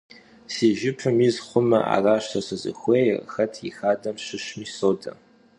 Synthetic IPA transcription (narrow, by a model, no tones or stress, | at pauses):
siːʒɪpʰɨmizχʷʊmɐ̰ʔa̰raːʃtʰɐsɨzɨ̰xʷejxɐtʰixaːdɐmɕɨʃmiːsoːdɐ